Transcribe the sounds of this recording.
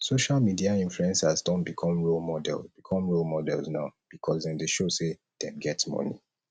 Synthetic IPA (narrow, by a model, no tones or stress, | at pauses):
soʃalmidiaĩnfluɛ̃nsazdɔ̃nbikʰɔ̃mɹolmɔdɛ̰lˠzb̥ikʰɔ̃mɹolmɔdɛ̰lˠznaʊb̥ikʰɔzdɛ̃ndeʃose | d̥ɛ̃ɡɛtsmɔ̰nḭ